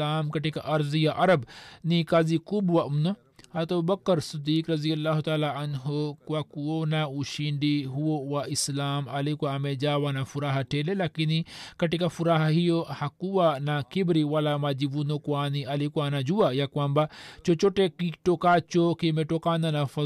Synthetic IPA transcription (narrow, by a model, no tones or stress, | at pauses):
aːmkɐʈikaʔɐɾzijaʔɐɾɐbnikazikubwaʔumno | hat̪obɐkːəɾsid̪iːkɾɐzijɐlːaːɦut̪aːlaɐnɦokakuwonãuʃiɳɖiɦuwowaʔislaːmɐlikuaɐmed͡ʒaːwanafuɾaːɦaʈʰeːlelakinikɐʈikafuɾaːɦaɦijohakuwanakibɾiwalamad͡ʒiʋunokuaːniɐlikuanad͡ʒuwajakuambat͡ʃot͡ʃoʈekiʈokaːt͡ʃokimeʈokaːnanafɐ